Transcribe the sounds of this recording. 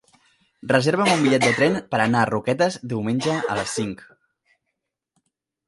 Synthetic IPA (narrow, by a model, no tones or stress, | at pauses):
rəzeɾβəmumbiʎɛt̪̚d̪ət̪ɾɛnpəɾənaːrukɛt̪əzd̪iwmenʲd͡ʒəə̰ləsːiŋk